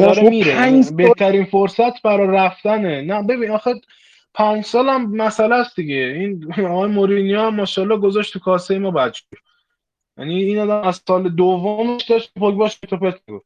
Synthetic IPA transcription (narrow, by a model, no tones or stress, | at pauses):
ɒɾemiːɾebet̪ʰæɾiːnfoɾsæt̪ʰbæɾɒːjɾæft̪ænenæbe̞binɒxe | pʰænd͡ʒsɒːlæmːæsælæsd̪iɡeinɒɣɒːjemoɾinijɒæmːɒːʃælːɒːɡozɒʃt̪ʰukʰɒːsejemɒːbæd̪d͡ʒj | jæ̰niːnɒːd̪æmæzsɒːled̪ovːomeʃd̪ɒʃepokbɒʃet̪ʰopet̪meɡof